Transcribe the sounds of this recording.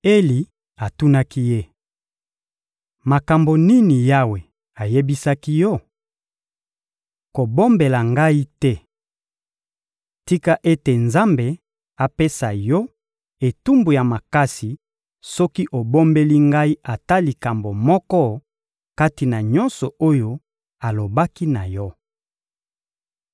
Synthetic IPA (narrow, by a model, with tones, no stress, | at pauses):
e˦li˨ | a˨tu˦na˦ki˦je˦ | ma˨ka˨mbo˨ni˦ni˨ja˦we˨ | a˨je˦bi˦sa˦ki˦jɔ˦ | ko˨bo˦mbe˨la˨ŋɡa˦i˦tɛ˦ | ti˦ka˦ʔe˦te˨nza˦mbe˨ | a˨pe˦sa˨jɔ˦ | e˨tu˦mbu˨ja˨ma˨ka˦si˨ | sɔ˦ki˦ʔo˨bo˦mbe˦li˦ŋɡa˦i˦ʔa˨ta˦li˨ka˨mbo˨mɔ˦kɔ˦ | ka˦ti˨na˨ɲɔ̃˦nsɔ˨o˦jo˦ | a˨lo˨ba˦ki˦na˨jɔ˦